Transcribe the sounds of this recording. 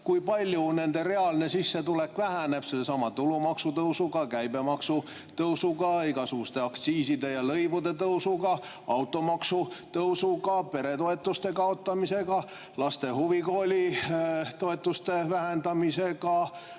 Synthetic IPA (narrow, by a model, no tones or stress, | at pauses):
kujpɑlʲjune̞nd̪e̞re̞ɑlnesisːet̪ulekʋvæhæne̞psesɑmɑt̪ulumɑksut̪ɤwsuɡɑkæjbe̞mɑksu | t̪ɤwsukɑikɑsuːst̪eɑkt̪siːsid̪e̞jɑlɤjvud̪e̞t̪ɤwsukɑ | ɑwt̪ːˑo̞mɑksut̪ɤwsukɑpe̞ɾet̪o̞e̞t̪ːˑust̪e̞kɑot̪ːɑmise̞kɑ | lɑst̪e̞huvikoːlʲi | t̪o̞et̪ːˑust̪e̞væɦænd̪ɑmise̞kɑ